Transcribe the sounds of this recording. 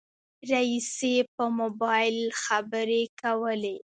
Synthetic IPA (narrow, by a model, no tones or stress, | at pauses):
ɾaisepəmobɑjɪlxabəɾekawəle